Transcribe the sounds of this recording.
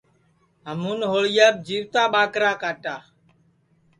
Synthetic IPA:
ɦəmuːnɦoːɭjaːb̚d͡ʒiːʋt̪aːɓaːkɾaːkaːʈaː

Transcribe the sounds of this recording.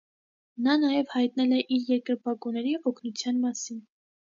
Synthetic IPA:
nɑnɑjɛvhɑjt̪̚nɛlɛʔiɾjɛɾkəɾbɑkunɛɾiʔɔkʰnut͡sʰjɑnmɑsin

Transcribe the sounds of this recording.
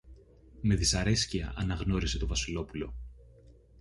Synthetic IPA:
me̞ðisɐɾe̞sciɐ̰ʔɐnɐɣno̞ɾise̞t̪o̞vɐsilo̞pulo̞

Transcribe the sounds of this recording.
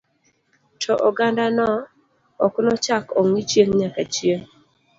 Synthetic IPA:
tʰɔʔɔɡandanɔ | ɔknɔt͡ʃakɔŋit͡ʃjeŋɲakat͡ʃjeŋ

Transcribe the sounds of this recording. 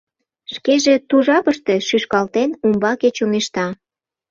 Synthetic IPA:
ʃkeʒe̽t̪uʒɑpəʃt̪e̽ʃyʃkɑlt̪enumbɑket͡ɕuŋeʃt̪ɑ

